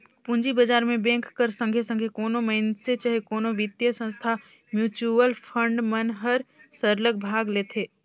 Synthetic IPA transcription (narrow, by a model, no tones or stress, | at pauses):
pũnd͡ʒibəd͡ʒaːɾmẽbẽːŋkːəɾsə̃ŋɡʱesə̃ŋɡʱekoːnoməɪnset͡ʃaɦekoːnoʋɪt̪jəsə̃nst̪ʰa | mjuːt͡ʃuəlpʰə̃ɳɖmənɦəɾsəɾlək̚bʱaːɡleːt̪ʰeː